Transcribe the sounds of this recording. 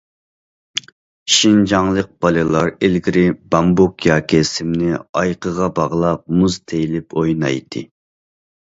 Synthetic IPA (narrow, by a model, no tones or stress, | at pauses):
ʃind͡ʒɑŋlˠəq̚b̥ɑlˠɨlˠɑɾelɡʲiɾɪbɑmbokjɑːkʲʰɪsɪmnɪɑjqʰəʁɑbɑʁlˠɑp̚muzt̪ʰejilɪpʰojnɑ̰jt̪ʰɨ̰